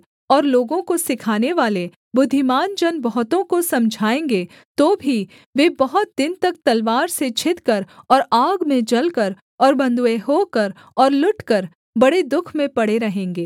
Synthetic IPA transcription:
ɔːɾloːɡõkosɪkʰaːneʋaːle | bʊd̪ʱːɪmaːnd͡ʒɐnbɔɦt̪õkosɐ̃md͡ʒʱaːẽːŋɡeː | t̪oːbʱi | ʋeːbɐɦʊt̪̚d̪ɪnt̪ɐk̚t̪ɐlʋaːɾset͡ʃʰɪt̪kəɾɔːɾaːɡmẽd͡ʒɐlkəɾ | ɔːɾbɐ̃nd̪ueɦoːkɐɾ | ɔːɾlʊʈkɐɾ | bɐɽed̪ʊkʰmẽpɐɽeɾɐɦẽːŋɡeː

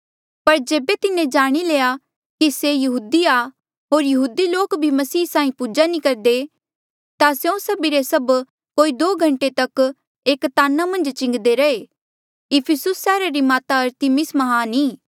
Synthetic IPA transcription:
pɐɾd͡ʒeːbet̪ɪnẽd͡ʒaːɽ̃ileːja | kisejɐɦuːd̪ia | ɦoːɾjɐɦuːd̪iloːkbʱimɐsiːsãːĩpuːd͡ʒanĩkɐɾd̪e | t̪aseõsɐbiɾesɐb | koːid̪oːɡʱɐ̃ɳʈet̪ɐk | eːkt̪aːnamɐ̃nd͡ʒt͡ʃɪ̃ŋɡd̪eɾɐeː | ɪpʰɪsʊsːɛːɾaɾimaːt̪aɐɾt̪ɪmɪsmɐɦaniː

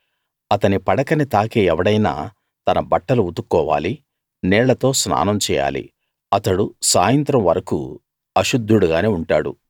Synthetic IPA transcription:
ɐt̪ɐnipɐɽɐkɐnit̪aːkeːɛʋɐɽɐjna̰ː | t̪ɐnɐbɐʈːɐluut̪ukːɔːʋa̰ːli | nɛːɭɐt̪o̞ːsna̰ːnɐmt͡ʃɛ̰ːja̰ːlḭ | ɐt̪ɐɽusaːjɐnt̪ɾɐmʋɐɾɐkṵ | ɐʃud̪ʱːuɽuɡaːneːuɳʈaːɽṵ

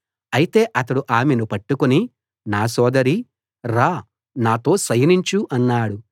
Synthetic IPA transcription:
ɐjit̪e̞ːʔɐt̪ɐɽuʔaːmenupɐʈːukuni | naːsɔːd̪ɐɾi | ɾaː | naːt̪o̞ːsɐjɐniɲt͡ʃuʔɐnːaːɽu

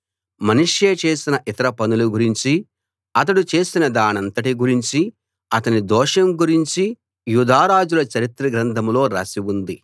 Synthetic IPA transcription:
mɐniʂjeːt͡ʃe̞ːsinɐʔit̪ɐɾɐpɐnuluɡuɾiɲt͡ʃi | ɐt̪̬ɐɽut͡ʃe̞ːsinɐd̪aːnɐnt̪ɐʈiɡuɾiɲt͡ʃi | ɐt̪ɐnid̪ɔːʂɐmɡuɾiɲt͡ʃi | jud̪ʱaːɾaːd͡ʒulɐt͡ʃɐɾit̪ɾɐɡɾɐnt̪ʰɐmlo̞ːɾɐ̰ːsiwund̪i

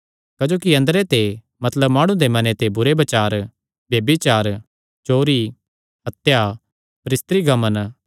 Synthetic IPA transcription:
kɐd͡ʒoːkiɐ̃nd̪ɾet̪e | mɐt̪ləbmaːɽ̃ũd̪emɐnet̪ebʊɾebɐt͡ʃaːɾ | bjeːbit͡ʃaːɾ | t͡ʃoːɾi | ɦɐt̪ja | pɐɾɪst̪ɾiɡʱɐmən

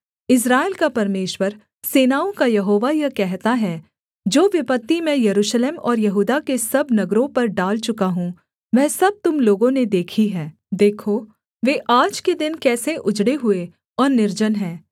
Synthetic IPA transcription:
ɪs̬ɾaːɪlkapɐɾmeːʃwəɾ | seːnaːõkajɐɦoːʋajɐkɛɦt̪aɦɛ | d͡ʒoːʋɪpət̪ːimɛ̃jɐɾuːʃleːmɔ̰ːɾjɐɦuːd̪akesɐbnɐɡɾõpɐɾɖaːlt͡ʃʊkaɦũ | mɛ̃ːsɐb̚t̪ʊmloːɡõned̪eːkʰiɦɛ̃ː | d̪eːkʰoː | ʋeːʔaːd͡ʒked̪ɪnkɛːseʔʊd͡ʒɽeɦʊe | ɔːɾnɪɾd͡ʒənɦɛ̃ː

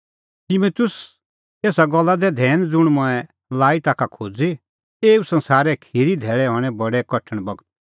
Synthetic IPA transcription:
t̪imut̪ʊs | eːsaɡɔlːad̪ɛd̪ʱɛːnd͡zʊɽ̃mɔɛ | laːit̪aːkʰakʰoːd͡zi | eːusɐ̃nsaːɾɛkʰiːɾid̪ʱɛːɭɛɦɔːɽ̃ɛbɐɽɛkɐʈʰəɽ̃bɐɡət̪̚

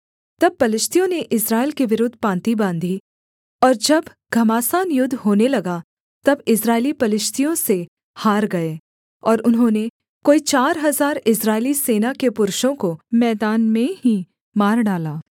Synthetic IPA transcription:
t̪ɐb̚pɐlɪʃt̪ʰijõneʔɪsɾaːelkeʋɪɾʊd̪ʱːpãːnt̪ibãːnd̪ʱi | ɔːɾd͡ʒɐb | ɡ̥ʱɐmaːsaːnjʊd̪ʱːɦoːnelɐɡa | t̪ɐbɪsɾaːɪlipɐlɪʃt̪ʰijõse | haːɾɡɐeː | ɔːɾʊnɦõːne | koːit͡ʃaːɾɦɐzaːɾɪsɾaːɪliseːnakepʊɾʊʃõkomɛːd̪aːnmẽɦi | maːɾɖaːlaː

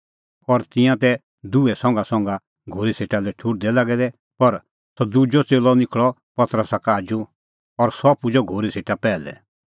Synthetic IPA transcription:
ɔɾt̪ɪ̃jãt̪ɛ | d̪uɛsɔ̃ŋɡasɔ̃ŋɡa | ɡʱoːɾiseːʈalɛʈʰʊʈ̚d̪ɛlaɡɛd̪ɛ | pɐɾ | sɔd̪ud͡ʒɔt͡seːlɔnɪkʰɭɔpɐt̪ɾəsakaaːd͡ʒu | ɔɾsɔpud͡ʒɔɡʱoːɾiseːʈapɛːlɛ̰

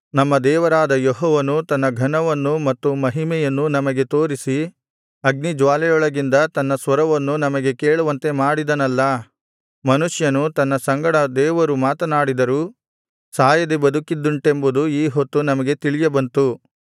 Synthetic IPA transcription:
nɐmːɐd̪ɛːʋɐɾaːd̪ɐjɔɦɔːʋɐnut̪ɐnːɐɡʱɐɳɐʋɐnːumɐt̪ːumɐɦimɛjɐnːunɐmɐɡe̞t̪o̞ːɾisi | ɐɡ̚nid͡ʒʋaːlɛjɔɭɐɡind̪ɐt̪ɐnːɐsʋɐɾɐʋɐnːunɐmɐɡe̞keːɭuʋɐnt̪e̞maːɽid̪ɐnɐlːɐ | mɐnuʂjɐnut̪ɐnːɐsɐŋɡɐɽɐd̪ɛːʋɐɾumaːt̪ɐnaːɽid̪ɐɾuː | saːjɐd̪ebɐd̪ukid̪ːuɳʈe̞mbud̪uiːɦot̪ːunɐmɐɡe̞t̪iɭijɐbɐnt̪u

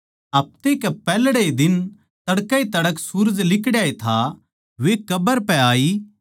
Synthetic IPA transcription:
ɐp̚t̪ekɛpɛːlɽed̪ɪn | t̪ɐɽkait̪ɐɽəksuːɾd͡ʒlɪkɽjaːet̪ʰa | ʋekɐbəɾpɛ̃aːiː

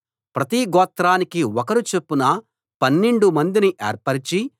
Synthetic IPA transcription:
pɾɐt̪iɡɔːt̪ɾaːnikiɔkɐɾut͡ʃe̞pːunɐ | pɐnːeɳɖumɐnd̪iniʔḛːɾpɐɾit͡ʃi

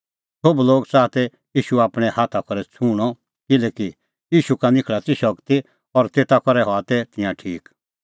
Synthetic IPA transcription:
sobloːɡt͡saːt̪ɛ | jiːʃuaːpɽ̃ɛ̃haːt̪ʰakɔɾɛt͡sʰuɽ̃ɔ | kɪlɛːki | jiːʃukanɪkʰɭat̪iʃɔkt̪i | ɔɾt̪eːt̪akɔɾɛɦɔat̪ɛt̪ɪjãʈʰiːk

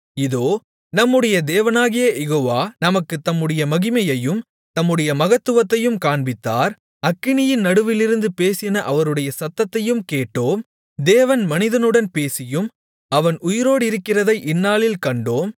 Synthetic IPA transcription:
ɪðoː | nɐmːɯɽɐjɐd̪eːʋɐnaːɣɪjɐjɛɣoːʋaːnɐmɐkːɯt̪ɐmːɯɽɐjɐmɐɣɪmɐjɐjɯm | t̪ɐmːɯɽɐjɐmɐɣɐt̪ːɯʋɐt̪ːɐjɯmkaːɳbɪt̪ːaːɾ | ɐkːɪɳɪjɪnnɐɽɯʋɪlɪɾɯnd̪ɯpeːsɪjɐnɐʔɐʋɐɾɯɽɐjɐsɐt̪ːɐt̪ːɐjɯmkeːʈːoːm | d̪eːʋɐnmɐnɪðɐnɯɽɐnpeːsɪjɯm | ɐʋɐnʔʊjɪɾoːɽɪɾɯkːɪrɐðɐɪʔɪnːaːlɪlkɐɳɖoːm

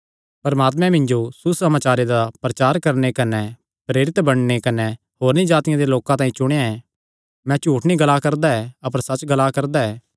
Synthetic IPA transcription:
pɐɾmaːt̪̬mɛ̃mɪ̃nd͡ʒosusɐmaːt͡ʃaːɾed̪apɾɐt͡ʃaːɾkɐɾnekɐnɛ | pɾeːɾɪt̪bɐɽ̃nekɐnɛ | hoːɾnĩd͡ʒaːt̪ɪjãd̪eloːkãt̪ãːĩt͡ʃʊɽ̃eãɛ̃ | mɛ̃t͡ʃuːʈʰnĩɡɐlakɐɾd̪aɛɐp̬əɾsɐt͡ʃːɡɐlakɐɾd̪aɛː

